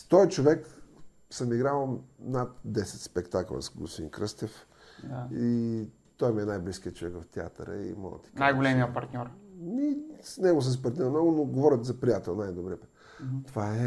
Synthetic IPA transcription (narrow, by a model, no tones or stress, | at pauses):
st̪ɔit͡ʃovɛk | səmiɡɾalnat̪d̪ɛsɛt̪spɛkt̪aklˠə̰sɡost̪ḭ̃nkɾəst̪ɛf | dai | t̪ɔjmiɛnajblisk̟iət͡ʃovɛkvɐft̪ʲɛa̰t̪ə̰ɾə̰ḭma̰l̰ˠt̪i̥knajɡolɛmiəpɐɾt̪nʲɔɾnisnɛɡʊs̬əsipɐɾt̪nʲɔɾnɔɡʊnoɡovɔɾʲət̪zɐpɾijat̪ɛlˠnajd̪obɾiəpə̥ | t̪ovaɛ